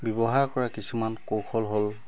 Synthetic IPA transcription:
bɔbɔɦaɹkɔɹakisumankowxʰɔlɦol

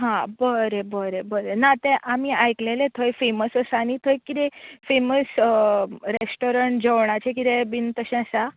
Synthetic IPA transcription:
ɦãbəɾebəɾebəɾenat̪ɛ̃ʔamiajklelet̪ʰəjfeməsəsanit̪ʰəjkid̪ɛfeməs | ɾesʈoɾəɳʈd͡ʑʱeʋɳat͡ɕekid̪ẽbint̪əɕɛ̃əsa

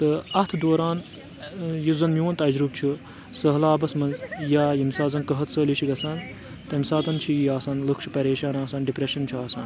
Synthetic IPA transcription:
t̪ɨɐt̪ʰd̪oːɾaːn | jizɐnmiʋɐnt̪ɐd͡ʒɾub̚t͡ʃʰu | səɦlaːbɐsmɐnzjaːjimsaːzɐnkɐɦɐt̪ʰsəːlit͡ʃʰiɡɐsaːn | t̪ɐmʲsaːt̪ɐnt͡ʃʰijaːsaːnlɨkʰt͡ʃʰi̥pɐɾeːʃaːnaːsaːnɖipɾeʃɐnt͡ʃʰiaːsaːn

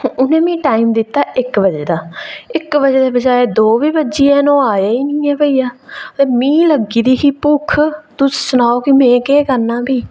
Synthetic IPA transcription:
ʊnẽːmĩːʈaːiːmd̪ɪt̪ːaːʔɪkʋəd͡ʒeːd̪aːɪkbəd͡ʒeːd̪eːbəd͡ʒaːeːd̪oːʋiːbəd͡ʒiːɛːnõːaːeːiːnĩːɛːpəiːjaːmĩːləɡiːd̪iːɦiːpʊkʰt̪ʊsʊnaːoːkimɛ̃ːkeːkəɾnaːbiː

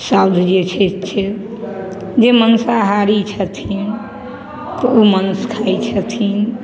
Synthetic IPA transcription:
sawd̪ʱd͡ʒet͡ʃʰɛt͡ʃʰɛ | d͡ʒemənsaɦaɾit͡ʃʰət̪ʰin | t̪ɔumənskʰajt͡ʃʰət̪ʰin

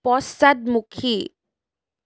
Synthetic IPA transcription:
pɔsad̪̚mukʰi

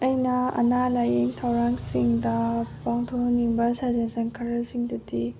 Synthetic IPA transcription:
ɐjnɐɐ̰nalajeŋtʰawɾaŋsiŋdɐpaŋtʰoniŋbɐsazɐnsɐŋkʰɐɾɐsiŋdudi

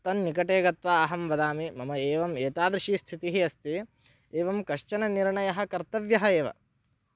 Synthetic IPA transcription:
t̪ɐnːikɐʈeːɡɐt̪ʋaːɦɐmʋɐd̪aːmimɐmɐeːʋɐmeːt̪aːd̪ɾiʃist̪ʰit̪iɦiɐst̪i | eːʋɐmkɐʃt͡ʃɐnɐniɾɳɐjɐɦɐ̆kɐɾt̪ɐʋjɐɦɐeːʋɐ̰

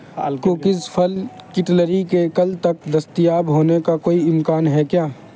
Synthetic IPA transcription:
kokɪspʰəlkɪʈləɾikekɐlt̪ɐk̚d̪ɐst̪ijaːbɦoːnekakoːiɪmkaːnɦɛkjaː

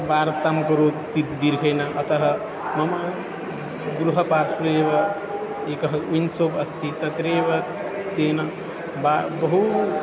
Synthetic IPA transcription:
baːɾt̪amkɐɾot̪id̪iɾkʰɐjnaʔɐt̪ɐɦɐ̆ | mɐma | ɡɾuɦɐpaːɾsuɾeːʋɐ | eːkɐɦɐunsoːbɐst̪it̪ɐt̪ɾeːʋɐ | t̪eːna | babɐɦu

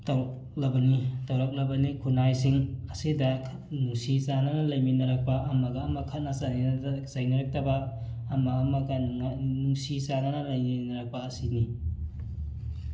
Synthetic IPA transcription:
tɐw̚ | lɐbɐnitɐwɾɐk̚lɐbɐnikʰunajsiŋɐsidɐ | nuŋsizanɐnɐlɐjminɐɾɐk̚pɐʔɐmɐɡɐːmɐkʰɐt̚nɐzanizajnɐɾɐk̚tɐbɐː | mɐːmɐɡɐŋanuŋsisanɐnɐlɐjninɐɾɐk̚pɐːsini

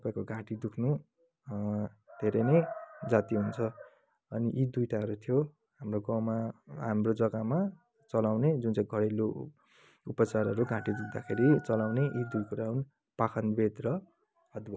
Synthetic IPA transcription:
t̪ʌpaĩkoɡʱãʈid̪ukʰnu | d̪̥ʱeɾʌjnʌjd͡zat̪iɦunt͡sʰʌ | ʌniʔid̪ujʈaɦʌɾut̪ʰijo | hamroɡʌ̃maɦamrod͡zʌɡama | t͡sʌlawned͡zunt͡saĩɡʱʌɽelo | upʌt͡sarʌɾuɡʱãʈid̪ukʰd̪akʰeɾit͡sʌlawneʔid̪ujkuɾaun | pakʰʌnbed̪rʌ | ʌd̪bʌ

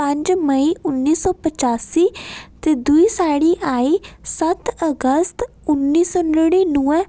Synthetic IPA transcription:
ə̃ɲd͡ʒməiːʔʊnːiːsɔːpət͡ʃaːsiːt̪eːd̪uiːsaːɽiːʔaːiːsət̪əɡəst̪ | ʊnːiːsɔːnɽiːnuːɛ

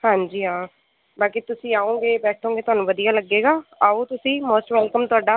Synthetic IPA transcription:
hãːɲd͡ʒiːɦãː | baːkit̪ʊsĩːaːõːɡeːbɛːʈʰõːŋɡeːt̪ʊɦaːnũːʋəd̪ijaːləɡːeːɡaːaːoːt̪ʊsĩːmoːsʈʋɛːlkəmt̪ʊaːɖaː

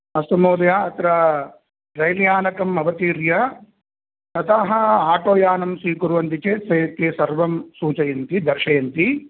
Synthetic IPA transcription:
ɐst̪ɐmoːd̪ɐjaːɐt̪ɾɐ | ɾɐjljaːnɐkɐmɐʋɐt̪iːɾjɐ | nɐt̪aːɦɐaːʈoːjaːnɐmsiːkuɾuʋɐnt̪it͡ʃeːsɐjkeːsɐɾʋɐmsuːt͡ʃɐjɐnt̪id̪ɐɾʃɐjɐnt̪i

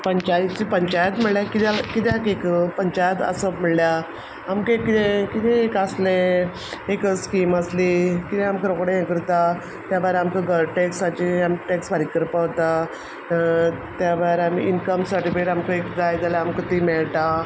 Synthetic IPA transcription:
pəɲt͡ɕajit͡ɕipəɲt͡ɕajət̪m̤əɭljakit̪akit̪̬jakekpəɲt͡ɕajət̪ə̰səm̤əɽlja | amkekit̪ẽkit̪ẽːkasle | ekskiːməslikit̪ẽamkeɾokɽẽekəɾt̪a | t̪jabaɾamkəɡəɾʈeksat͡ɕiamiʈeksbaɾikəɾpaɦt̪a | t̪jabaɾamḭʔinkəmsəɾʈifeʈamkəekd͡z̪ajd͡z̪alaamkət̪imeɭʈa

